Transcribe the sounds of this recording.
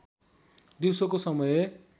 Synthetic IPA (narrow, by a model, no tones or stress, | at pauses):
d̪iwsokosʌmʌje